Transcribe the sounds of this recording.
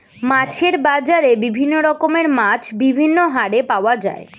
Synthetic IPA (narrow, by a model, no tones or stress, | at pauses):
mat͡ɕʰeɾbad͡ʑaɾebibʱinːoɾɔkomeɾmat͡ɕʰbibʱinːoɦaɾepaoad͡ʑa̰e